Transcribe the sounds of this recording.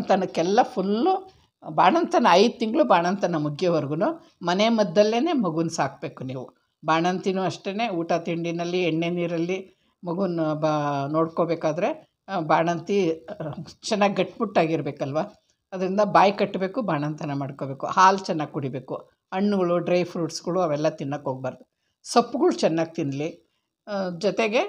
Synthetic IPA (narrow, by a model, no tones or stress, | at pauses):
nt̪ɐnɐkɛlːɐpʰulːu | baːɳɐnt̪ɐnɐɐjd̪̚t̪iŋɡɐɭubaːɳɐnt̪ɐnɐmukʰjɐʋɐɾɡunu | mɐnemɐd̪ːɐlːe̞ːne̞ːmɐɡunsaːk̚be̞ːkuniːʋu | baːɳɐnt̪inuɐʂʈe̞ːne̞ːuːʈat̪iɳɖinɐlːieɳːeniːɾɐlːi | mɐɡunbno̞ːɽkobeːkaːd̪ɐɾe̞ | baːɳɐnt̪i | t͡ʃɛnːaːɡɡɐʈːbuʈːaːɡiɾbe̞ːkɐlʋaː | ɐd̪ɐɾind̪ɐbaːjkɐʈːbe̞ːkubaːɳɐnt̪ɐnɐmaːɖkobe̞ːkuhaːlt͡ʃɛnːaːɡ̚kuɽibe̞ːku | ɐɳːuɡɐɭuɖɾɐjpʰɾuːʈsɡɐɭuɐʋɛlːɐt̪inːɐkɦoːɡ̚baːɾɐd̪u | sɐpːuɡɐɭut͡ʃɛnːaːɡ̚t̪inɖli | d͡ʒɔt̪eɡe̞